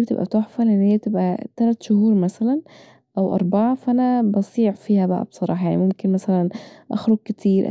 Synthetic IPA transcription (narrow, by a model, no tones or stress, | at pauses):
bet̪ḛbʔæ̰t̪oħfælʔenːhijːbt̪ebʔæ̰t̪ælæt̪ʃohuːɾˤmæsælæn | ʔæwʔɑ̰ɾˤbɑʕɑfʔænæbɑsˤiːʕfiːhæbæʔæ̰bsˤɑɾˤɑ̰ːħɑjaʕnimomkenmæsælænʔæ̰xɾoɡ̚ket̪ʰiːɾʔæ̰